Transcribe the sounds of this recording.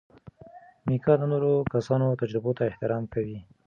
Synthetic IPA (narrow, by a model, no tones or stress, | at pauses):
mikɑd̪ənoɾokasɑnot̪ad͡ʒɾɪbot̪aɪht̪ɪɾɑmkawi